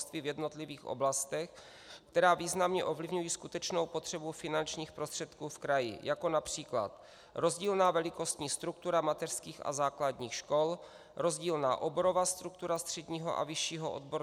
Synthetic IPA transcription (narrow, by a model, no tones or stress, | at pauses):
st̪viːvjɛdno̞t̪lɪviːxʔo̰blast̪ɛx | kt̪ɛɾaːviːznamɲɛʔo̞vlɪvɲujiːskut̪ɛt͡ʃno̞wpo̞t̪r̥ɛbufɪnant͡ʃɲiːxpɾost̪r̥ɛt̪kuːfkɾajɪ̰jako̞napr̝̥iːkla̰t̪ | ɾo̞zɟiːlnaːvɛlɪko̞st̪ɲiːst̪ɾukt̪uɾamat̪ɛr̥skiːxʔa̰zaːklad̪ɲiːxʃko̞l | ɾo̞zɟiːlna̰ːʔobo̞ɾo̞vaːst̪ɾuk̚t̪uɾast̪r̝̥ɛɟɲiːɦo̞̰ʔa̰vɪʃiːɦo̰ʔo̰d̪bo̞ɾ